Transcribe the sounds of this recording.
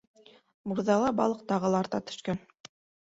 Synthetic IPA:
muɾðɑlˠɑbɑ̰lˠɤq̚t̪ɑʁɤ̆lˠɑɾt̪ɑt̪ɵ̥̆ʃkæn

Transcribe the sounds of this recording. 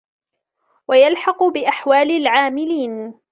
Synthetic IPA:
wajalħɑqʊbɪʔaħwaːlɪlʕaːmɪliːn

